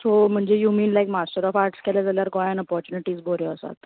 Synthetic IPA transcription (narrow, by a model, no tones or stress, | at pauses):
som̤əɳd͡zejumiːnlajkmasʈəɾɔfaɾʈskʰɛlad͡zaljaɾɡɔjanəpɔɾt͡ɕuniʈiːsbʱoɾjɔəsa̰t̪